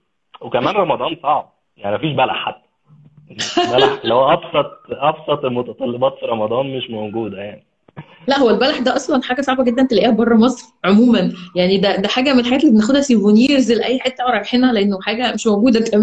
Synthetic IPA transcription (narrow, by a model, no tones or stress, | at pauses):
wekæmæːnɾˤɑmɑd̪ˤɑːnsˤɑʕb̚ | jaʕnimæfiːʃbælaħat̪ː | bælħlæhowæʔɑbsˤɑt̪̚ˤʔɑbsˤɑt̪ˤelmot̪ɑt̪ˤɑlːebɑːt̪fiɾˤɑmɑd̪ˤɑːnmeʃmoɡuːd̪æjaʕni | læʔhowːælbælaħd̪æːʔɑsˤlɑnħaːɡæsˤɑʕbæɡed̪ːænt̪elæʔiːhæbɑrˤːɑmɑsˤɾʕomuːmænjaʕnid̪æd̪æħaːɡæmenelħaɡæːt̪elːibenexod̪hæsivoniːɾzelʔæjːħet̪ːæwɾˤɑɡħenhæleʔenːoħaːɡæmeʃmoɡuːd̪ækʰæmː